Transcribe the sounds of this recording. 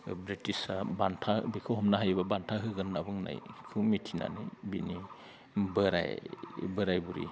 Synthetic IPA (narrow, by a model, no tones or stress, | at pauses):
bɾitisabantʰabikʰɯɦɔmnaɦajbabantʰaɦɯɡɯnːabɯŋna̰jkʰɯmitʰina̰nḭbini | bɯɾa̰jbɯɾajbuɾḭ